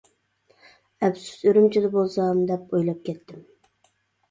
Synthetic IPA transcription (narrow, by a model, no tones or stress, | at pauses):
ɛpsu̥søɾymt͡ʃʰid̪ɪbolˠsɑmd̪ɛpojlˠɑp̚kʲɛt̪ʰːɪm